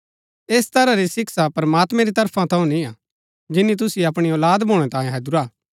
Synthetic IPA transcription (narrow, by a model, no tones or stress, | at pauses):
eːst̪ɐɾaɾisɪksapɐɾmaːt̪mɛ̃ɾit̪ɐɾpʰãt̪ʰɐ̃ũnĩa | d͡ʒɪnːit̪̬ʊsiɐpɽ̃iɔːlaːd̪bʱoːɽ̃ɛ̃t̪ãːẽɦɐd͡ʒʊɾaː